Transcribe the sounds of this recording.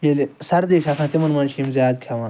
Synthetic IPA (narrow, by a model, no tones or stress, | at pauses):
jelesɐɾd̪eːʃasʰãːt̪imɐnmɐnʃiːmzjaːd̪kʲʰaʋãː